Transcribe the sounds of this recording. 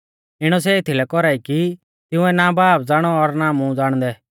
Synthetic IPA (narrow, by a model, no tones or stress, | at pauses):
ɪɽ̃ɔs̬ɛɪt̪ʰilɛkɔɾaːiki | t̪ɪ̃ʊ̃ɛnaːbaːp̚d͡zaːɽ̃ɔɔɾnaːmũd͡zaːɽ̃d̪ɛ